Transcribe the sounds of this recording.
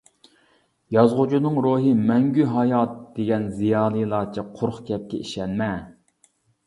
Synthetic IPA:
jɑzʁʊd͡ʒʰunɨŋɾuɦɨmɛŋɡʲyɦɑjɑt̪̚d̪̥eɡʲɛnzijɑːlˠɨjlˠɑɾt͡ʃʰiqʰoɾχkʲɛp̚kʲɛiʃɛnmɛ

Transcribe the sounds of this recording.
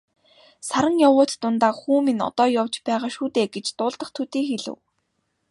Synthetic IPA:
saɾə̆ŋjawʊːt̪t̪ʊnt̪aːxuːminɔ̰t̪ɔːjɔwt͡ɕpæːʁaːʃuːt̪eːɡet͡ɕt̪ʊːɮt̪ə̆χt̪ʰut̪iːŋxeɮɘ̰̆w

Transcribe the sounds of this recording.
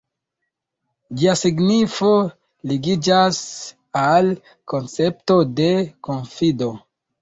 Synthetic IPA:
d͡ʒiasiɡnifo̞ | liɡid͡ʒas | al | ko̞nt͡se̞p̚to̞de̞ko̞nfido̞

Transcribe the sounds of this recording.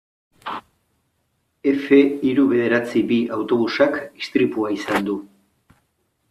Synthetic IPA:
e̞fe̞iɾuβe̞ð̞e̞ɾat͡sibiʔawt̪o̞β̞usakist̪ɾipuaisand̪u

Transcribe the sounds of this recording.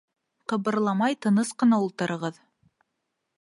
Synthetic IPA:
qɤ̆βɤ̆ɾlˠɑmɑjt̪ɤ̆nɤsqɤ̆nɑulˠt̪ɤ̆ɾʔɤ̆ʁɤð

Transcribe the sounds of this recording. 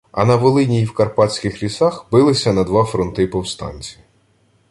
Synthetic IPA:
ɐ̰nɐʋɔlˠɪnʲijiwkɐrpɑtʲsʲkɪxlʲisɑxbɪlˠɪsʲɐnɐd̪ʋɑfɾɔnt̪ɪpɔwst̪ɑ̰nʲt͡sʲij

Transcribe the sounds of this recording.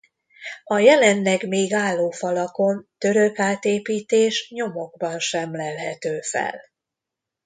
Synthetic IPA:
ɒjɛlɛnlɛɡmeːɡaːlːoːfɒlɒko̞nt̪øɾø̞kaːt̪eːpiːt̪eːʃɲo̞mo̞ɡbɒnʃɛmlɛlɦɛt̪øːfɛ̰l

